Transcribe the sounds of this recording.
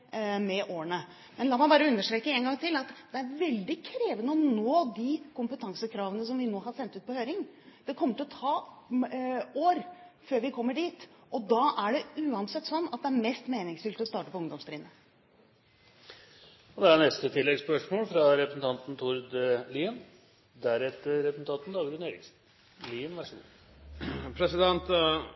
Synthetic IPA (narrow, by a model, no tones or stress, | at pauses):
mɛʔoːəɳə | mɛnlɑːmæɪbɑːɾəʉnːəʂʈ̪ɾeːkəɛːnŋɡɑŋt̪ʰɪlɑt̪d̪ɛæɾʋɛld̪ɪkʰɾeːʋənəɔnoːd̪ɪkʊmpət̪ʰɑŋsəkʰɾɑːʋənəs̬ɔmʋɪnoːɦɑɾsɛnt̪ʉːt̪̚pʰɔhøːɾɪŋd̪̥ɛkʰɔmːəʈɪlɔt̪ʰɑː | oːɾføːɾʋɪkʰɔmːəɖiːt̪ʔɔd̪ɑːʔæɖɛʉːɑnsɛt̪ːsɔnːɑt̪̚d̪ɛæɾmɛst̪meːnɪŋsfʏlt̪ɔst̪ɑːʈəpɔʊŋd̪ɔmst̪ɾɪːnə | ɔd̪ɛæɳnɛst̪ət̪ʰɪlːɛɡspœʂmoːlfɾɑɾɛpɾəsn̩t̪ɑnt̪n̩t̪ʰuɾd̪liːən | d̪æɾɛt̪ːəɾɛpəsn̩t̪ɑnt̪n̩d̪ɑːɡɾʉneːɾɪ̰ksn̩ | liːənʋæʂəɡṵː | pʰɾɛsɪd̪ɛnt̪